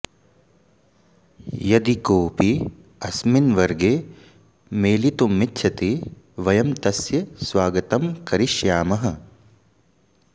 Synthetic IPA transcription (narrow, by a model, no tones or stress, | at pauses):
jɐd̪ikoːpi | ɐsminʋɐɾɡeː | meːlit̪umːitːʃʰɐt̪i | ʋɐjɐmt̪ɐsjɐsʋaːɡɐt̪ɐmkɐɾiʃjaːmɐɦɐ